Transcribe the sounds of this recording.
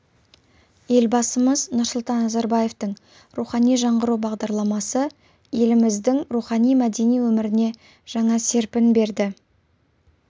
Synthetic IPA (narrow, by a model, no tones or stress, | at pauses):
je̞lbɑsəməznʊɾsʊlˠt̪ɑnːɑzɑɾbɑje̞ft̪əɴ | ɾuχɑnijʒɑɴʁəɾuwbɑʁd̪ɑɾlˠɑmɑsə | je̞lɪmɪzd̪ɪŋɾuχɑnijmæd̪e̞nijwɵmɪɾɪne̞ | ʒ̥ɑɴɑse̞ɾpɪnbe̞ɾd̪ɪ